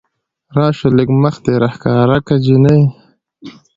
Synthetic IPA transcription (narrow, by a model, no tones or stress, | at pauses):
ɾɑːʃolekmaxt̪eɾahkɑːɾakad͡ʑinaj